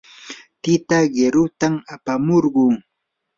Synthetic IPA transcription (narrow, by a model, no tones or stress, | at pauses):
t̪ɪt̪aɢeɾʊt̪amapamoɾɢʊŋ